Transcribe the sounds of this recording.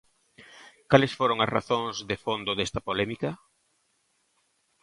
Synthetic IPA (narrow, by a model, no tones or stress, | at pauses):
kalesfoɾoŋɐsra̰θõŋzðɪfond̪ʊðest̪ɐpolɛmikɐ